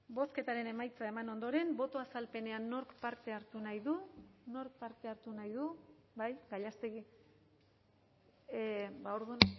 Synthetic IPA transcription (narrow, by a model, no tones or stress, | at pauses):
bo̞ske̞t̪aɾe̞ne̞majt͡sae̞mano̞nd̪o̞ɾe̞mbo̞t̪o̞asalpe̞ne̞anːoɾkpaɾt̪e̞aɾt̪unajðuno̞ɾk̚paɾt̪e̞aɾt̪unajðubajɡaʎast̪eɣi | baoɾðun